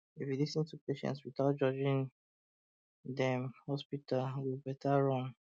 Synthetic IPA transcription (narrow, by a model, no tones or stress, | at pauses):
ifjulisə̃ntupeʃɛ̰̃ntswiθaʊt̚d͡ʒɔd͡ʒĩŋ | dɛ̃mhɔspitalwibɛtʰaɹɔ̃ŋ